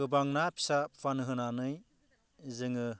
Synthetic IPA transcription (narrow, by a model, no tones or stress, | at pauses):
ɯbaŋnapʰi̥sapʰfanɯɦɯnanɯj | zɯŋɯ